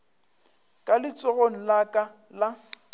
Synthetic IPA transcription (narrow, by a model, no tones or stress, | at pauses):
kʼalɪt͡sʼɔɣon̩lakʼa | la